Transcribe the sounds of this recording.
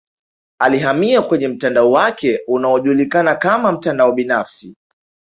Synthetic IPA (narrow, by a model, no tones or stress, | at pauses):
aliɦamiakwɛɲɛm̩tandaɔwakɛunaɔʄulikanakamam̩tandaɔɓinafsi